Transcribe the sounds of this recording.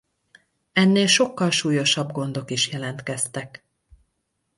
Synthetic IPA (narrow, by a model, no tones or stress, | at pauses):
ɛnːeːlʃokːɒlʃuːjo̞ʃɒbɡo̞nd̪o̞kiʃjɛlɛnt̪kɛst̪ɛk